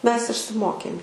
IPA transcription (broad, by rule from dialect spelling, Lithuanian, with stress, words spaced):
ˈmʲɛs ɪʃʲsʲɪˈmoːkʲeːm